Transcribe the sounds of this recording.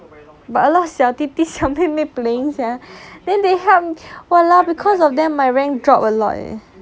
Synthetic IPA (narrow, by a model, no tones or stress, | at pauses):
batəlɔtsɛʊt̪it̪isɛʊtĩmepleĩŋsadɛ̃ndeɦɛmiwɛlabikʰɔsɔfdɛ̃mːajɹɛ̃ŋdɹɔpəlɔ̰t̚ɛ̰